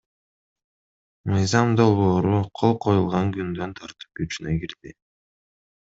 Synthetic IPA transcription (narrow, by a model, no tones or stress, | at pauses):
mɯjzɑmd̪o̞lˠβo̞ːɾuqʰolˠqʰo̞julˠʁɑŋkynd̪ø̞nt̪ʰɑɾt̪ɯ̥p̚ɡyt͡ʃynøɡiɾd̪i